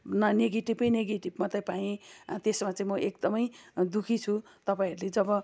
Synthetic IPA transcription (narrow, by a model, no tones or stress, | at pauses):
nʌneɡeʈibʌjneɡeʈibmat̪ajpaẽt̪esmat͡saĩmʌʔekd̪ʌmʌjd̪ukʰit͡sʰu | t̪ʌpaĩɦʌɾuled͡zʌbʌ